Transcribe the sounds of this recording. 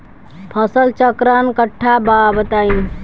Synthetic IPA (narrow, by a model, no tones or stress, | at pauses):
pʰəsəlt͡ʃəkɾankəʈʰːababət̪ain